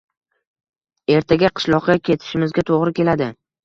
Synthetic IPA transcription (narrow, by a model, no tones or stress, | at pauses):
e̞ɾt̪ʰaɡʲaqʰɨ̥ʃlˠɒqːakʲʰe̞t̪ʰɪ̥ʃɪmɪzɡʲat̪ʰoʁɾɪkʲe̞lad̪ɪ